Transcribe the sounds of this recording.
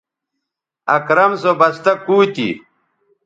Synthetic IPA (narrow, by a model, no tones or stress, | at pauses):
ɐkɾɐmsobɐst̪ɐkːuːt̪ḭ